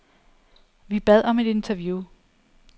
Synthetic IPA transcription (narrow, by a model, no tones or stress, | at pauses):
ʋib̥ɛð̞̰ˠɒ̽me̝d̥e̝nt͡sʰæɐʋju